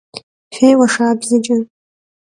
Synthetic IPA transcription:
fʲᶣejwaʂaːbzɨt͡ʃʼɪn

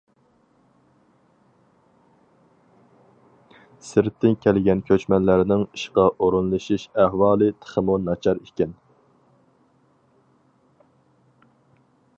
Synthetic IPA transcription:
sɪɾt̪ʰːɪnkʲʰɛlɡʲɛnkʲʰøt͡ʃmɛnlæɾnɪŋiʃqɑʔoɾunlˠɨʃiʃæhwɑːlˠɨt̪ʰə̥χəmunɑt͡ʃʰɑɾikʲɛn

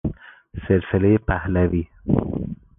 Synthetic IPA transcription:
selselejepʰæhlæviː

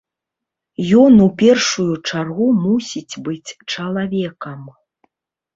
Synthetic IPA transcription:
jɔnupʲɛrʂujut͡ʂarɣumusʲit͡sʲbɨt͡sʲt͡ʂɐlˠavʲɛkɐm

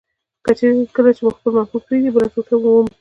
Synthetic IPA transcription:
kət͡ʃeɾkəlat͡ʃeməxpəlmafub̚pɾeɡibəlasut̪amuwəm

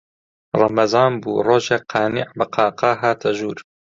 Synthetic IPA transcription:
rˤɑmɐzɑːnbuːroːʒeːqʰɑːniʕbɐqʰɑːqɑːɦaːt̪ʰɐʒuːɾ

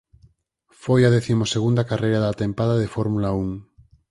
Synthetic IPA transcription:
fojað̞eθimoseɣ̞und̪akarejɾaðat̪ẽmpaðaðefoɾmulauŋ

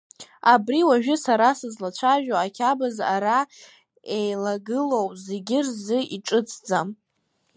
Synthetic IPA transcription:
abriwaʒᶣʊsaɾasɨzlat͡ʃʷʰaʒᶣoakʲʰabaza̰ɾa | ejlaɡɨlowʼzeɡʲɪrzɨiʈ͡ʂʼɨt͡sʰʼd͡zam

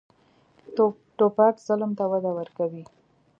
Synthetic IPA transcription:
ʈopɑkz̥ʊlmt̪awad̪awəɾkawi

